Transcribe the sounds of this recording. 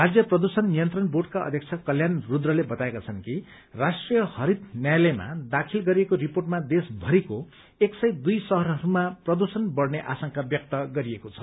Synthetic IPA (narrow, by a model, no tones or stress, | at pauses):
rad͡zjʌprʌd̪usʌnːijʌnt̪rʌnborɖkaʌ̰d̪ʱjʌkt͡sʰakʌljanrud̪rʌlebʌt̪aekat͡sʰʌnki | rasʈrijʌhʌɾit̪njajlema̰d̪akʰilɡʌɾiekoriporʈmad̪esbʱʌɾiko | eksʌjd̪ujsʌɦʌɾɦʌɾumaprʌd̪usʌnbʌrneʔasʌŋkabjʌk̚t̪ʌɡʌɾiekot͡sʰʌ̥